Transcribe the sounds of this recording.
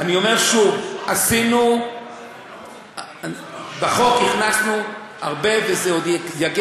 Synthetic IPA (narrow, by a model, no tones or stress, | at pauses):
anio̞me̞ʁʃuvasinu | baχo̞kniχnasnu | aʁbe̞vezeod̪jaɡe